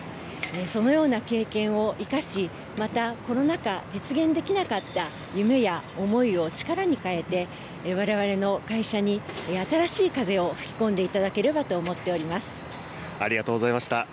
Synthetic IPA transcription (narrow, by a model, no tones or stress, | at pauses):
eso̞no̞jo̞ːnake̞ːkẽ̞ɰ̃o̞ʔikaɕi | mat̪ako̞no̞nakad͡ʑit͡sɨɡẽ̞nd̪e̞kʲinakat̪ːa | jɯ̟me̞jaomo̞io̞t͡ɕi̥kaɾaɲ̟ikae̞t̪e̞ | β̞aɾe̞β̞aɾe̞no̞kaiɕaɲ̟iat̪aɾaɕiːkaze̞o̞ɸɯ̟̥kʲi̥kõ̞nd̪e̞it̪ad̪ake̞ɾe̞bat̪o̞ːmo̞t̪ːe̞o̞ɾʲimasɨ̥ | aɾʲiɡat̪oːɡozaimaɕi̥t̪a